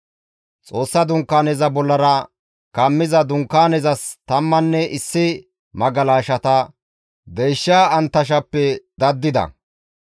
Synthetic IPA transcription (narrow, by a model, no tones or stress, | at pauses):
t͡sʼo̞ːsːɐd̪ʊŋkːaːnɛzɐbɔlːɐɾɐ | kɐmːɪzɐd̪ʊŋkːaːnɛzɐst̪ɐmːɐnːɛʔɪsːɪ | mɐɡɐlaːʃɐt̪ɐ | d̪ejʃːaːɐnt̪ːɐʃ̬ɐpːɛd̪ɐd̪ːɪd̪ɐ̰